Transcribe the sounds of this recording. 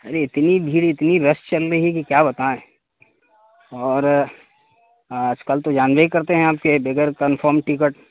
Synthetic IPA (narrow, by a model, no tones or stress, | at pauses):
ɐɾeɪt̪nibʱiːɽiːt̪nibɐst͡ʃɐlɾəɦikikjaːbɐt̪aẽ | ɔːɾ | ɐd͡ʒkəlt̪od͡ʒaːnʋəikɐɾt̪eɦɛ̃aːp̚kebeɡəɾkɐnfʰɔːɾmʈɪkəʈ